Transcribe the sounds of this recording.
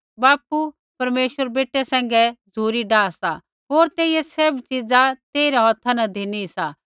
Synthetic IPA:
baːpu | pɐɾmeːʃʋəɾbeːʈːɛsɛ̃ːŋ̆ɡɛd͡zʱuːɾiɖaːsa | ɦoːɾt̪eːɪjɛsebt͡ʃid͡zat̪eːɾɛɦɔt̪ʰːanɐd̪ʱeːnisa

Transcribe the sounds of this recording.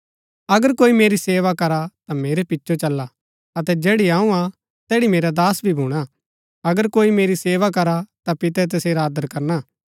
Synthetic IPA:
ɐɡəɾkoːimeːɾiseːʋakɐɾat̪ameːɾepɪtːʃot͡ʃɐlːa | ɐt̪ɛd͡ʒɛːɽiaːũa | t̪ɛːɽimeːɾad̪aːsbʱibʱuːɽ̃a | ɐɡəɾkoːimeːɾiseːʋak̬ɐɾat̪apɪt̪ɛt̪̬ɐseːɾaːd̪əɾkɐɾna

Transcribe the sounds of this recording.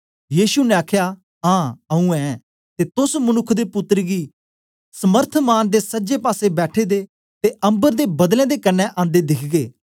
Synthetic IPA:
jiːsunɛ̃aːkʰjaː | ɦãːəũːɛ̃ː | t̪et̪ʊsmənʊkʰd̪eːpʊt̪ːɾɡiː | səməɾt̪ʰmaːnd̪eːsəd͡ʒeːpaːsebɛːʈʰeːd̪eː | t̪eə̃mbəɾd̪eːbɐd̪lɛ̃ːd̪eːkənːɛ̃ʔãːnd̪eːd̪ɪkʰɡeː

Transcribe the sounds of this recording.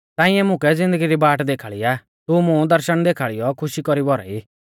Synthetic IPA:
t̪ãːɪ̃ɛmʊ̃kɛd͡zɪ̃nd̪əɡiɾibaːʈd̪eːkʰaːɭijaː | t̪umʊ̃d̪ɐɾʃəɽ̃d̪eːkʰaːɭijɔkʰʊʃikɔɾibɔɾɛ̰iː

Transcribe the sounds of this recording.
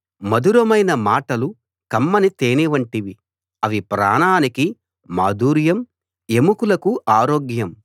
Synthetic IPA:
mɐd̪uɾɐmɐjnɐmaːʈɐlu | kɐmːɐnit̪eːniʋɐɳʈiʋi | ɐʋipɾa̰ːɳaːniki | maːd̪uːɾjɐm | e̞mukulɐkuʔaːɾoːɡjɐm

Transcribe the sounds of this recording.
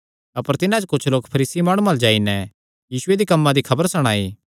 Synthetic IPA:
ɐpəɾt̪ɪnãd͡ʒokʊt͡ʃʰloːkpʰɐɾiːsimaːɽ̃umald͡ʒaːinɛ | jiːsʊed̪ikɐmːãd̪ikʰɐbəɾsɐɽ̃aːiː

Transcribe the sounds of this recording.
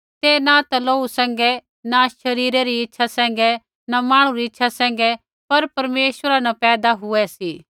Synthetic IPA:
t̪enat̪ɐloːusɛ̃ːŋɡɛ | naʃɐɾiːɾeɾiɪtːʃʰasɛ̃ːŋ̆ɡɛ | namaːɽ̃ũɾiɪtːʃʰasɛ̃ːŋ̆ɡɛ | pɐɾpɐɾmeːsʋəɾanɐpɛːd̪aɦʊɛsiː

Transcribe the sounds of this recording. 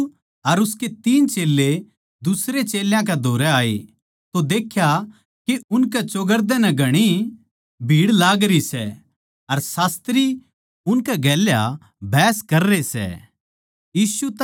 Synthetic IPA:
ɐɾʊsket̪iːnt͡ʃeːlːe | d̪ʊsɾet͡ʃeːljãk̬ɛd̪ʱoːɾɛaːḛ | t̪od̪eːkʰja | keʊnkɛt͡ʃoːɡəɾd̪ɛ̃nɛɡʱɐɽ̃i | bʱiːɽlaːɡɾisɛ | ɐɾsaːst̪ɾi | ʊnkɛɡɛːlja | bʱɛːskɐɾːesɛ̰ | jiːsu

